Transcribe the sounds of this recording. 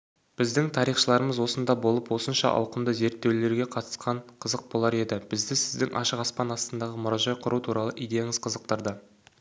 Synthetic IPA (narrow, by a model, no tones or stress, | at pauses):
b̥ɪzd̪ɪŋt̪ʰɑɾijχʃəlˠɑɾəməzwo̞sənd̪ɑbo̞lˠəpwo̞sənʃɑ̰ʔɑ̰wqəmd̪əze̞ɾt̪ːe̞wle̞ɾɡʲe̞qʰɑt̪ə̥sqɑɴqʰəzəq̚bo̞lˠɑɾe̞d̪ɪb̥ɪzd̪ɪsɪzd̪ɪŋʔɑ̰ʃəqɑspɑnɑst̪ənd̪ɑʁəmʊɾɑʒɑjqʰʊɾʔut̪ʰuɾɑlˠəʔijd̪ejaŋɪz̥qʰəzəq̚t̪əɾd̪ə